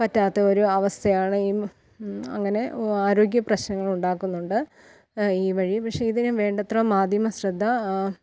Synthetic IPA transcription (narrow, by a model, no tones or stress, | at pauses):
pɐtːaːt̪ːɐo̞ɾuɐʋɐst̪ʰɐjaːɳɨiː | ɐ̰ŋːɐne̞aːɾo̞ːɡjɐprɐɕnɐŋːɐɭuɳɖaːkːunːuɳɖɨ | iːʋɐɻipɐkʂe̞iðinumʋe̞ːɳɖɐt̪rɐmaːd̪ʱjɐmɐsrɐd̪ʱːɐ